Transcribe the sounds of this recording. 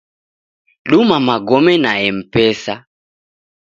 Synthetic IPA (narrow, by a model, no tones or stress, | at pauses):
ɗumamaɡɔmɛnaɛm̩pɛsa